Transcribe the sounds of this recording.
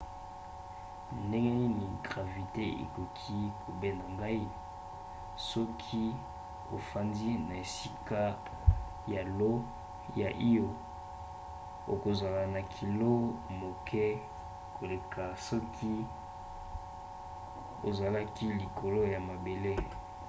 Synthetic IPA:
nde˦ŋɡe˦ni˦ni˨ɡʁa˨vi˨te˦ḛ˨ko˨kʰi˦kʰo˨be˦na˨ŋɡa˦i˦ | sɔ˦kʰi˦ | o̰˨fa˨ndi˦na˨e˨si˦ka˦ | ja˨lo˦ | ja̰˨ʔi˦jo˨ | o̰˨ko˨za˨la˨na˨kʰi˨lo˦mo˨kɛ˦ | kʰo˨le˨ka˨sɔ˦kʰi˦ | o˨za˨la˦ki˦li˨kʰo˨lo˦ja˨ma˨be˨le˦

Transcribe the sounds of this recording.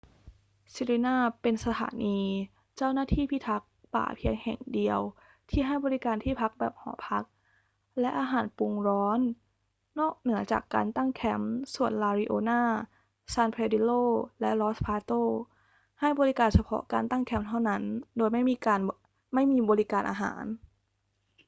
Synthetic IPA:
si˧ɾiː˧naː˥˩pe˧nsa˧t̪ʰa̰ː˩˦niː˧ | t͡ɕa˥˩wnaː˥˩t̪ʰiː˥˩pʰiː˦˥˩t̪ʰa˦˥k̚pa̰ː˨˩pʰi˧əŋhɛ̰˨˩ŋdi˧əw | t̪ʰiː˥˩ɦa˥˩jbɔː˧ɾi˦˥kaː˧nt̪ʰiː˥˩pʰa˦˥k̚bɛː˨˩p̚hɔ̰ː˩˦pʰa˦˥k̚ | lɛ˦˥ʔaː˧ɦaː˩˦npu˧ŋɾɔː˦˥nː | ɔː˥˩k̚nɯ˩˦ɐt͡ɕa̰ː˨˩kːa̰ː˧nt̪a˥˩ŋkʰɛ˦˥msu˨˩ənlaː˧ɾi˦˧˥ʔoː˧naː˥˩ | saː˧npʰeː˧di˧˥loː˥˩lɛ˦˥ʔlɔ˦˥spʰaː˧t̪oː˥˩ | ha˥˩jbɔː˧ɾi˦˥kaː˧nsa˧pʰɔ̰˦˥kaː˧nt̪a˥˩ŋkʰɛ˦˥mt̪ʰa˥˩wna˦˥ndoː˧jma˥˩jmiː˧kaː˧n | ma˥˩jmiː˧bɔː˧ɾi˦˥kaː˧nʔa̰ː˧ɦa̰ː˩˦n

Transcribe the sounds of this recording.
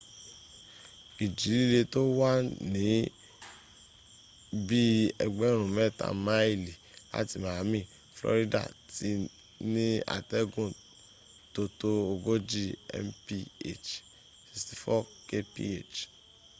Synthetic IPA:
i˨d͡ʒi˨˦li˦le˧to˦wa˦nĩ˨˦ | bi˦ɛ˧ɡ͡bɛ˦ɾ̃ũ˨mɛ˦˨ta̰˨mã˦i˦˨li˨la̰˨˦ti˨mã˨˦mĩ˦˨ | flɔ̰˧˦ɾi˦da̰˦˨ti˨˦ | nĩ˦a̰˨tɛ˦ɡũ˦˨ | to˧to˦o˧ɡo˦d͡ʒi˦˨ɛ̰˧mpi˦ḛ˦˨t͡ʃ | si˨sti˧fɔ˦ke˦pḭ˦e˦˨t͡ʃ

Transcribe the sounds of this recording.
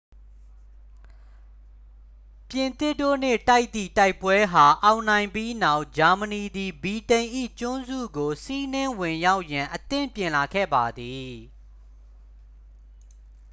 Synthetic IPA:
pjɪ̃˨nt̪ɪ˦˨tːo̰˦˨n̥ɪ̰˦˨ta˦ɪʔt̪i˦˨ta˦ɪpwɛ˦ɦa˨ʔã˨ʊ̃nã˨ɪ̃mpji˦na˦ʊʔd͡ʑa˨məni˨d̪i˨bi˨tẽ˨ɪ̃ʔḭ˦˨t͡ɕʊ̃˦nzṵ˦˨ɡo˨si˦nɪ̃˦wɪ̃˨ja˦ʊʔjã˨ʔət̪ɪ̰̃˦˨mpjɪ̃˨la˨ɡʰɛ̰˦˨ba˨d̪i˨

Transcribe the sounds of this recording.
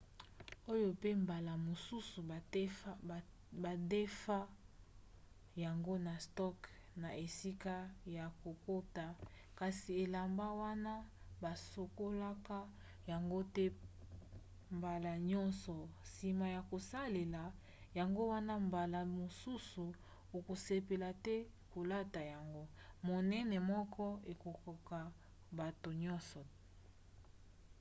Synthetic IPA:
o˦jo˦pe˦mba˨la˨mo˨su˦su˨ | ba˨de˦fa˦ | ja˨ŋɡo˦na˨stɔ˦k | na˨ʔe˨si˦ka˦ja˨ko˨ko˦ta˨ | ka˨si˨e˨la˨mba˦wa˦na˦ | ba˨so˨ko˦la˦ka˦ | ja˨ŋɡo˦tɛ˦ | mba˨la˨ɲɔ˦nsɔ˨si˨ma˨ja˨ko˨sa˦le˨la˨ | ja˨ŋɡo˦wa˦na˦mba˨la˨mo˨su˦su˨ | o˨ko˨se˨pe˨la˨tɛ˦ | ko˨la˦ta˨ja˨ŋɡo˦mo˨nɛ˦nɛ˨mɔ˦kʰɔ˦e˨ko˨kɔ˨ka˨ | ba˨to˨ɲɔ˦nsɔ˨

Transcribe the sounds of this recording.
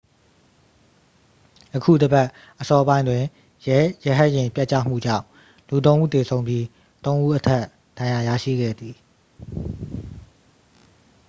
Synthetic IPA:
ʔəkʰṵ˦˨dəbɛ˦ʔ | ʔəsɔ˨ʔəbã˦ɪ̃ndwɪ̃˨ | jɛjɛ˦˨ɦa˦ʔjɪ̃˨mpja˦ʔt͡ɕä̰˦˨m̥ṵ˦˨d͡ʑã̰˦˨ʊ̃ | lu˨t̪õ˦ʊ̃ʔṵ˦˨t̪e˨sʰõ˨˦ʊ̃mbji˦ | t̪õ˦ʊ̃ʔu˦ʔətʰɛ˦˨ʔ | d̥ã˨ja˨ja̰˦˨ʃḭ˦˨ɡɛ̰˦˨d̪i˨

